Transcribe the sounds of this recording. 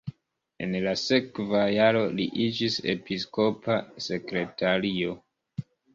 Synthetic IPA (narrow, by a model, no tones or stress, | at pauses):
e̞̰nlase̞kvajaɾo̞liʔid͡ʒise̞̰pisko̞pase̞kɾe̞taɾio̞